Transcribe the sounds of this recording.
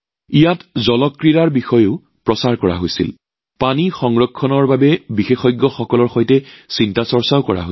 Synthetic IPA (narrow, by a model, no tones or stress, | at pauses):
ijatzɔlɔkːɹiɹaɹbixɔjoʊ | pɹɔsaɹkɔɹa̰ɦojsḭl | panixɔŋɹɔkʰːɔnɔɹbabɛbixexɔjɡːɔxɔkɔlɔɹxɔjtɛsintasɔɹsaʊkɔɹa̰ɦo